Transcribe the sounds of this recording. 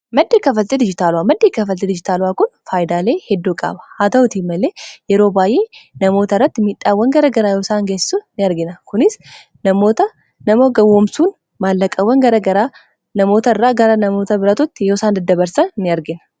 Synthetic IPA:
mɐd̪ːeːkɐfɐt̪ːed̪ɪd͡ʒɪt̪aːlʊwaːmɐd̪ːeːkɐfɐed̪ɪd͡ʒɪt̪aːlʊwaːkʊnfaːjɪd̪aːle̞ːhɛd̪ːuːkʼa̰ːbɐ̥haːt̪ɐʊt̪iːmːɐle̞ːjɛɾo̞ːbaːjʔe̞ːnɐmo̞ːt̪ɐrːɐt̪ːɪmiᶑaːwːɐŋɡɐɾɐɡɐɾaːjoːsaːŋɡessʊnɪɐɾɡɪnɐkʊnɪs | nɐmoːt̪ɐ | nɐmoːɡɐwːoːmsuːn | maːlːɐkʼɐwːɐŋɡɐɾɐɡɐɾa | nɐmo̞ːt̪ɐɪrːaːɡɐɾɐnɐmo̞ːt̪ɐbɪɾɐt̪ʊt̪ːɪjoːsaːnd̪ɐd̪ːɐbɐɾsɐnːɪɐɾɡɪnɐ̥

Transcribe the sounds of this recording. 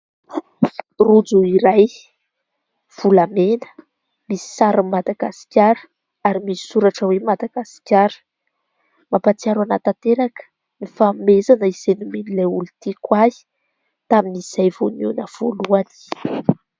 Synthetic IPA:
rud͡zuiɾaj | v̥ulamenə̥ | misi̥saɾəmad̪aɡasi̥kʲjaɾə̥ | aɾimisi̥suɾaʈ͡ʂəwemad̪aɡ̥asi̥kʲaɾə̥ | mapat͡siaɾwanat̪at̪eɾakə̥ | mifamezanəiz̥enumenileulut̪ikwai̥ | t̪aminiz̥ajv̥onunəv̥o̰luani̥

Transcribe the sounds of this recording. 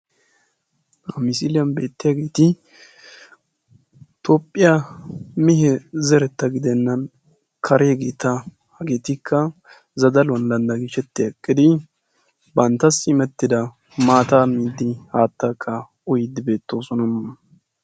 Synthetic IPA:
ɐmɪsilɪjɐnbe̞ːt̪ːɪjaɡe̞ːt̪ɪ | t̪oːpʼːɪjɐmɪɦɛzɛɾɛt̪ːɐɡɪd̪ɛnːɐn | kʰɐɾeːɡeːt̪ɐ | hɐɡeːt̪ɪkʰːɐ | zɐd̪ɐlwɐnd̪ɐnd̪ɐɡɪʃɛt̪ːɪɐkʼːɪd̪ɪ | bɐnt̪ːɐsɪmɛt̪ːɪd̪ɐ | maːt̪aːmiːd̪ːɪhaːt̪ːakʰːɐ | ʊjɪd̪ɪbe̞ːt̪ːo̞ːsɔnɐmɐ

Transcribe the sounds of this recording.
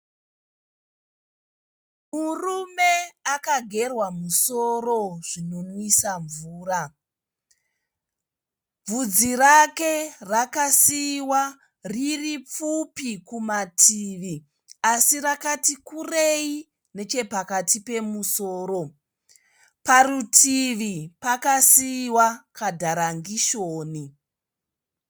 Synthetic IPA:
murume̞akaɡʱe̞rwamuso̞ro̞ʐ̥ino̞nwisaɱvuːra | b͡vud͡zirake̞rakasiwa | ririp͡fupikumatʰiʋi | asirakatikurei | ne̞t͡ʃe̞pakatipe̞muso̞ːɾo̞ | parutʰiʋipakasiːwakadʱaɾaŋɡiʃoːni

